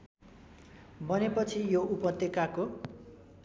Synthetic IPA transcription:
bʌnepʌt͡sʰijoupʌt̪jekako

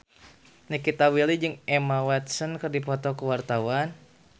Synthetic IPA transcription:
nəkit̪awilid͡ʒɨŋɛmawɛt̪̚sənkɨrdipɔt̪ɔkəwart̪awan

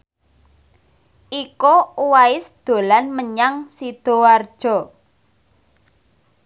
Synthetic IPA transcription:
ʔikouwaɪsd̪̥o̤lanməɲaŋsid̪̥o̤ward̥ʒ̥ɔ̤

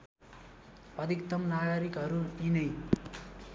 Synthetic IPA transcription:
pʌd̪ikt̪ʌmnaɡʌɾikɦʌɾuinʌj

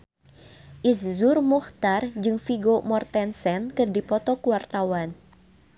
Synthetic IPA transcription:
ʔiszʊrmuht̪ard͡ʒɨŋfiɡomɔrt̪ɛnsɛnkɨrdipɔt̪ɔkuwart̪awan

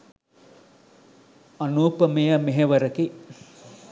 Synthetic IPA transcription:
ɐnuːpəmejəmeɦeʋəɾəki

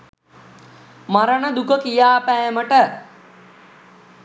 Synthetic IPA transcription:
maɾənəd̪ukəkijaːpæjməʈə

